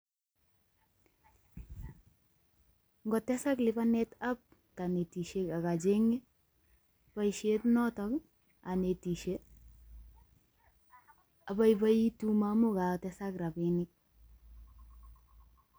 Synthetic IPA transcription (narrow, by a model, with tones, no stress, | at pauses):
ŋɡɔ˨tɛ˦sa˦klɪba˦nɛ˦ta˦p̚ | ka˨ne˨ti˨ʃe˦ka˨ka˨d͡ʒe˦ŋe˦ | pa˨iʃetnɔ˦tɔ˦k | a˨ne˨ti˨ʃe˦ | a˨ba˦iba˦i˦tu˦ma˦mʊ˦ka˨tɛ˦sa˦kra˨bi˨nɪ˦k̚